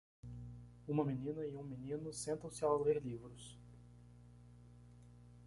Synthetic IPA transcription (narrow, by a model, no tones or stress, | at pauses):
ũmɐmĩnĩnɐiũminĩnʊsẽnt̪ɐ̃w̃sɪawleɾlivɾʊs